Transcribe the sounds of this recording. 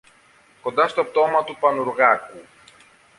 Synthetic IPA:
ko̞nd̪ɐst̪op̚t̪o̞mɐt̪upɐnuɾɣɐku

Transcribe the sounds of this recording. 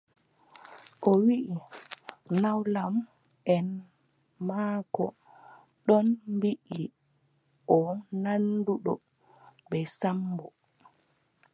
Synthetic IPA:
ʔɔwiʔi | nawlam | ʔɛn | makɔ̰ | ɗɔnbiʔi | ʔɔnanduɗɔ | bɛsambɔ

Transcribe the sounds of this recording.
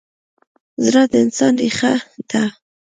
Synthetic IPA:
zɾɑd̪əɪnsɑnɾiχat̪a

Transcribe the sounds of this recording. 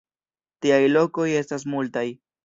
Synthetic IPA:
tiajlo̞ko̞je̞stas̬multaj

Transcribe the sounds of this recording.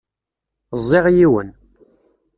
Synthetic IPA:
zˤːɪʁjiwə̰n

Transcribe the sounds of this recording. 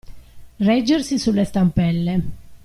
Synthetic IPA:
rɛd͡ʒːersisulːest̪ampɛlːe

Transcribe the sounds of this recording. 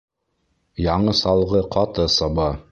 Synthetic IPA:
jɑɴɤsɑlˠʁɤqʰɑt̪ɤsɑbɑ

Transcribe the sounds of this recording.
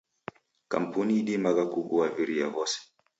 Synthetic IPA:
ka̰m̩puniːɗimaɣakuɡuaviɾiavɔsɛ̥

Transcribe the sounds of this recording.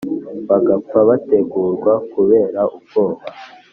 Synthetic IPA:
βaɡapaβate̞ɡuːɾɡwakuβe̞ːɾaʔub̚ɡoːβa

